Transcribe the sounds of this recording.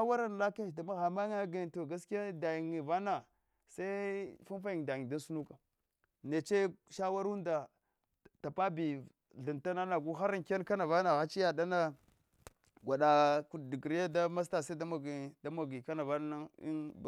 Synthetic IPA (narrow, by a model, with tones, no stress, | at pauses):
a˦wa˦ɾa˦n˨la˦ka˦˨da˨ma˦ɣa˨ma˦ŋa˦ɡa˨to˨ɡa˦ski˦a˦da˨ji˨ŋi˨va˦na˨ | sa˦fu˦nfa˦ji˨ŋ˨da˨ji˨da˦n˦su˦nu˦ka˨ | ne˨t͡ʃe˦ʃa˦wa˦ɾu˦nda˨ | ta˨pa˦bi˨ | ɮi˨nta˦na˦na˨ɡu˦xa˦ɾa˦ŋke˦nka˦na˨va˦na˨ɣa˦t͡ʃi˦ja˨da˦na˦ | ɡʷa˨ɗa˨ku˨di˨ɡɾi˦ja˦da˦ma˦s̬ta˦˨sa˦da˦ma˨ɡda˦ma˨ɡi˨ka˦na˨va˦n˦a˦ḭ˦b